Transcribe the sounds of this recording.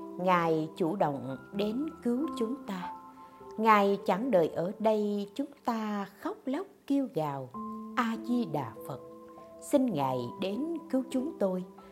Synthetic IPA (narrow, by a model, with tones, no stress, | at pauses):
ŋaː˨˩jt͡ɕu˧˩ɗə̰˧˨wŋ͡mɗe˨˦nkɨ˨˦wt͡ɕʊ˨˦ŋ͡mt̪aː˧ | ŋaː˨˩jt͡ɕa˧˩ŋɗəː˨˩jʔəː˧˩ɗə˧jt͡ɕʊ˨˦ŋ͡mt̪aː˧xɔ˦˥k͡p̚lə˦˥k͡p̚ki˧əwɣaː˨˩wʔaː˧zi˧ɗa̰ː˨˩fə˨˩t̚si˧ŋŋa̰ː˨˩jɗe˨˦nkɨ˨˦wt͡ɕʊ˨˦ŋ͡mt̪o˧j